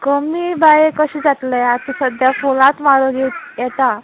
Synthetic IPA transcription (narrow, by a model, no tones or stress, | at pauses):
kəmiːbajekəɕid͡zat̪ləjat̪isəd̪ʱjafolãt̪maɾoɡijɛt̪a